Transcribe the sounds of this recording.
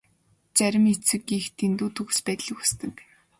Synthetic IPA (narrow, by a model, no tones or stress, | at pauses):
t͡sæɾʲɪ̆met͡sɘ̆kːiːxt̪ʰent̪uːt̪ʰɵɣ̆spæːt̪ɮə̆kust̪ɘ̆k